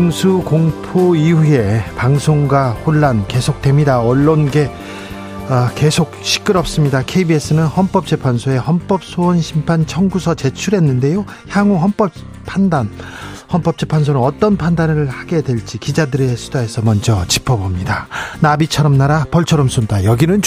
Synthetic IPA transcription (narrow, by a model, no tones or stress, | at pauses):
ɯŋsʰukoŋpʰoiɦue̞paŋsʰoŋɡwahoɭːanke̞sʰok̚t͈we̞mɲidaʌɭːonɡe̞ | ake̞sʰok̚ɕʰi̥k͈ɯɾʌp̚s͈ɯmɲidakʰe̞ibies͈ɯnɯnhʌnp͈ʌp̚t͡ɕ͈e̞pʰansʰoe̞hʌnp͈ʌp̚s͈ʰoʌnɕʰimpʰant͡ɕʰʌŋɡusʰʌt͡ɕe̞t͡ɕʰuɾɦe̞nːɯnde̞jo | çjaŋuɦʌnp͈ʌ | pʰandan | hʌnp͈ʌp̚t͡ɕ͈e̞pʰans̬ʰonɯnʌt͈ʌnpʰandanɯɭhaɡe̞dweɭt͡ɕ͈ikid͡ʑadɯɾe̞sʰu̥dae̞sʰʌmʌnd͡ʑʌt͡ɕipʰʌbomɲidanabit͡ɕʰʌɾʌmnaɾapʌɭt͡ɕʰʌɾʌmsʰundajʌɡinɯn